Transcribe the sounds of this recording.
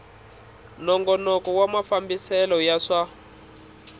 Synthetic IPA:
nɔŋɡɔnɔkɔwamafambisɛlɔjaʂa

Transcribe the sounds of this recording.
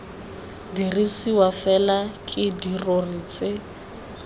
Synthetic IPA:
dirisiwafɛlakʼɪdirorit͡sʼɪ

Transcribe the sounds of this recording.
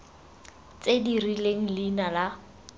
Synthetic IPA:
t͡sedirileŋ̩linala

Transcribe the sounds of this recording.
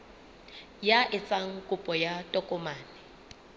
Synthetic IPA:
jaʔɪt͡sʼaŋ̩kʼʊpʼɔjatʼɔkʼɔmaːnɪ

